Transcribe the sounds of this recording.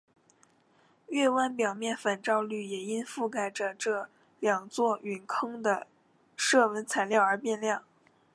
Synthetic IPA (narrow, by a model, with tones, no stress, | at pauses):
ɥɛ˥˩˧wa˥˩npjɑ˨˩ʊmjɛ˥˩nfə˨˩nʈ͡ʂɑ˥˧ʊly˥˩jɛ˨˩i˥nfu˥˩ka˥˩ɪʈ͡ʂə˩ʈ͡ʂɤ˥˩ | ljɑ˨˩ŋt͡swɔ˥˩y˨˩nkʰɤ˥ŋd̪ə˨ | ʂɤ˥˩wə˧˥nt͡sʰa˨˩ɪljɑ˥˩ʊə˞˧˥pjɛ˥˧nljɑ˥˩ŋ